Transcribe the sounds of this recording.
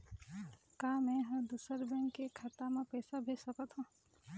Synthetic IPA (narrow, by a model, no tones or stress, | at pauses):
kaːmẽɦə̃d̪usəɾbɛ̃ŋkːekʰaːt̪amãpɛːsabʱesəkət̪ɦõ